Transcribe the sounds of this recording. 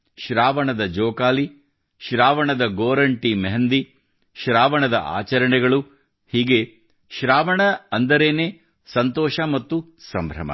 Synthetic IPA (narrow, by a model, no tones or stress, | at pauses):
ʃɾaːʋɐɳɐd̪ɐd͡ʒɔːkaːli | ʃɾaːʋɐɳɐd̪ɐɡoːɾɐɳʈimeɦɐnd̪i | ʃɾaːʋɐɳɐd̪ɐ̰ʔa̰ːt͡ʃɐɾɐɳɛɡɐɭu | hiːɡe̞ | ʃɾaːʋɐɳɐɐnd̪ɐɾeːneː | sɐnt̪ɔːʃɐmɐt̪ːu | sɐmbʱɾɐ̰mɐ̰